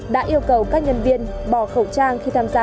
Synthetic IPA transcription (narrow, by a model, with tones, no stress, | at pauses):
ɗa̰ː˧˥ʔi˧əwkə˨˩wkaː˦˥k̚ɲə˧nvi˧ən | ɓɔ˧˩xə˨˧˩wt͡ɕaː˧ŋxi˧t̪ʰaː˧mzaː˧